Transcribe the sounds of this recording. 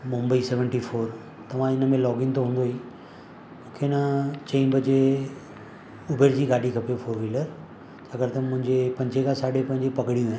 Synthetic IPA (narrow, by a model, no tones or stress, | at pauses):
mʊ̃mbəisɛːʋə̃ɳʈifoːɾ | t̪ɐʋ̤ãɪnə̆mẽlɔːɡɪ̃nt̪ʰoɦũːnd̪oɦi | mũːkʰenɐt͡ɕɐĩbʱɐd͡ʑe | ʊbʱeːɾd͡ʑiːɡaːɖʱikʰɐpefoːɾʋiləɾ | d͡ʑɐɡəɾt̪ɐmʊ̃ɦɪ̃ɲd͡ʑepɐ̃ɲd͡ʑekʰãsaːɖepɐ̃ɦɪ̃d͡ʑepɐkɽijũɛ